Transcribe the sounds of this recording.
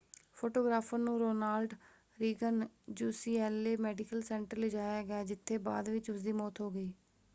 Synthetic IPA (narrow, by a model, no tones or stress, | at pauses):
pʰoːʈoːɡɾaːpʰənũːɾoːnaːlɖ | ɾiːɡənd͡ʒuːsiːɛːlːeːmɛːɖɪkəlsɛ̃ːɳʈəɾlɪd͡ʒaːjaːɡɪjaːd͡ʒɪt̪ʰːeːba̰ːd̪ʋɪt͡ʃʊsd̪iːmɔːt̪ɦoːɡəiː